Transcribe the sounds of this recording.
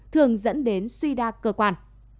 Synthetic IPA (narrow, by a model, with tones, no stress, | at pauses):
t̪ʰɨ˨˩əŋzə̰˧˥nɗe˨˦nswi˧ɗaː˧kəː˧˩kwaː˧˩n